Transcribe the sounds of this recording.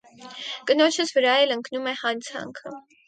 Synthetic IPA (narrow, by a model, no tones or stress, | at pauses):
kənɔt͡ʃʰəsvəɾɑjɛləŋknumɛhɑnt͡sʰɑ̰ŋkʰə̰